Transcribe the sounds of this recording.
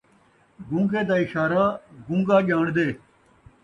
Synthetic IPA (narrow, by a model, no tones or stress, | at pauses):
ɡũŋɡeːd̪aːɪɕaːɾaːɡũŋɡaːʄaːɳd̪eː